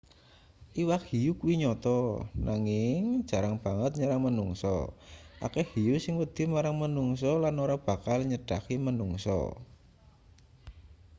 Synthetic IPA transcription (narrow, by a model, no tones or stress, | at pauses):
ʔiwakhijukuiɲɔt̪ɔnʔaŋɪŋ̥ʒ̥a̤ɾaŋb̥a̤ŋət̪̚ɲaɾaŋmənuŋsɔ̰ʔa̰kehijusɪŋwəd̪̥ɪ̤maɾaŋmənuŋs̬ɔlanoɾab̥ä̤kalɲəɖ̥a̤kimənuŋsɔ̰